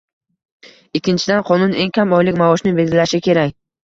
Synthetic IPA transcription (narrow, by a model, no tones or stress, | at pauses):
ɪkʲʰːɪnt͡ʃʰɪd̪anqʰɒnʊne̞ŋkʲʰamɒjlɪkʲmaɒʃnɪbe̞d̪ʲɪlaʃɪkʲʰe̞ɾakʲ